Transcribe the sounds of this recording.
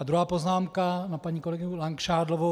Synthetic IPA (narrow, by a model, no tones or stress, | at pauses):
ad̪ɾuɦaːpoznaːmkanapaɲiːkolɛɡɪɲulaŋkʃaːd̪lovo